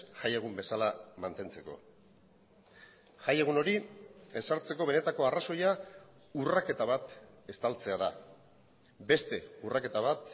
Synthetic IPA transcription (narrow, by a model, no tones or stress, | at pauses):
ʝajeɣ̞umbe̞salamant̪e̞nt͡se̞ko̞̰ | ʝaje̞ɣ̞uno̞ɾie̞saɾt͡se̞ko̞βe̞ne̞t̪ako̞araso̞ja | urake̞t̪aβat̪ | e̞st̪alt͡se̞aða̰ | be̞st̪e̞urake̞t̪aβat̪̚